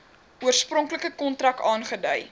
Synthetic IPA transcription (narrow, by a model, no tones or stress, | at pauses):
uərsprɔŋkləkəkɔntrɐkɑːnχədœj